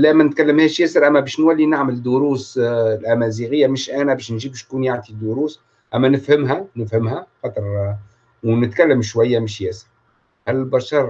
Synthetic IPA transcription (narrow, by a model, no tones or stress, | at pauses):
læːmænɪt̪̚kælːəmhɛːʃjɛːsəɾʔæmːæbɛːʃnwælːinaʕmɪld̪ʊɾuːslʔæmæziɣɪjːæmɪʃʔænæbɛːʃnʒiːbɪʃnkuːnjaʕt̪id̪uɾuːs | ʔæmːænɪfhɪmɦænɪfhɪmhæxɑt̪ˤəɾˤ | wnɪt̪kælːəmʃwæjːæmɪʃjɛːsə̥ɾ | hælːbɑˤʃɑɾˤ